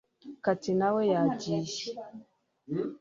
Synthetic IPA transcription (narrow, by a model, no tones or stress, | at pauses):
katinawejad͡ʒiʃi